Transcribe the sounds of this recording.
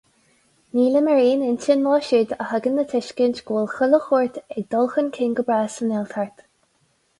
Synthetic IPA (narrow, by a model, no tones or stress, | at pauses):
niːləməɹiːnɪntənːɑːʃɪd̪əhaɡənːət̪ʰɪʃkɪnt͡ʃɡ̥oːlˠxʊləxɔɹt̪ɛɡ̚d̪ɔlˠxənkʰɪŋɡəbɹaːsənɛlt̪ʰaɹt̪